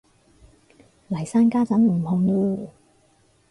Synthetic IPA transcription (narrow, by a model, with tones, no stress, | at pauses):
lɐ˨˩jsaː˥nkaː˥t͡sɐ˨˥nm̩˨˩hʊ˨˩ŋjuː˧˨